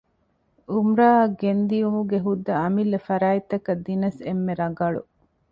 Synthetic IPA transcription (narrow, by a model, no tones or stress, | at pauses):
umɾaːɐɡend̪ijumuɡeɦud̪ːɐɐmilːɐfɐɾaːit̪ːɐkɐd̪ːinɐsemːeɾɐɡɐɭṵ